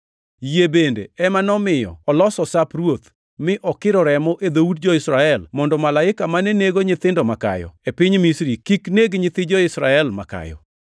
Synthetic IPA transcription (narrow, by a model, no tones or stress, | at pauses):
jebendḛɛmanɔmɪjɔ̰ɔlɔsɔsaprwot̪ | mɪʔɔkɪɾɔɾɛmɔʔed̪oudd͡ʒɔɪsɾaɛlmɔndɔmalaɪkamanɛneɡoɲɪt̪ɪndɔmaka̰jɔ̰epɪɲmisɾikikneɡɲɪt̪ɪd͡ʒɔɪsɾaɛlma̰ka̰jɔ̰